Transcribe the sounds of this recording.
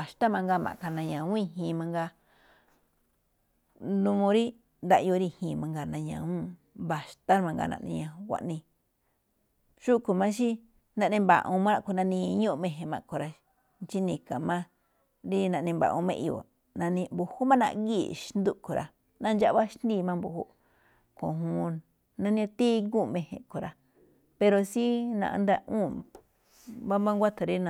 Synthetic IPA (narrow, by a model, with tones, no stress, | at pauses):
a˨ʃt̪a˦mã˧ŋɡa˧˨mã̰˨ka˧nã˧ɲã˨ũ˦ĩ˦˧ɦĩ˧mã˧ŋɡa˧ | nd̪ũ˧mũ˧ɾi˦ | nd̪a˧ʔo˧ɾi˧hĩː˧mã˧ŋɡa˧nã˧ɲã̰˨ũ˦ | ba˨ʃt̪a˦ɾmã˧ŋɡa̰˧nã̰˧ʔnḭ̃˧ɲã˧kʷa̰˧ʔnĩ˧ | ʃu˦ku˨mã˦ʃ̬i˦ | nã˧ʔnĩ˧mba̰˨ʔũ˧mã˦ɾa˧ku˧nã˧nĩ˧ɲũ˦ʔmẽ˧˨ɦẽ˧mã˧ko˨ɾa˧ | nt͡ʃi˦nĩ˨kã˨mã˦ | ɾi˦nã˧ʔnĩ˧mba̰˨ʔṵ̃˧mḛ̃˦˧ʔo̰˧˨a̰˨ | nã˧nĩ˧mbu˨ho˦mã˦nã̰˧ʔɡi˦˨ʃnd̪u˦ko˨ɾa̰˧ | nã˦˧nd͡ʒa˦ʔβa˦ʃnd̪iː˧mã˦mbu˧ho˦ʔ | kõ̰˨ɦũ˧ | nã˧nĩ˧t̪i˦ŋɡũ˦˧˨mẽ˧˨hẽ˨ko˨ɾa˧ | pe˧ɾo˧si˦nã̰˨˧nd̪a˧ʔũ˦˨ | ba˦mã˦ŋɡʷa˦t̪ʰa˨ɾi˦nã˧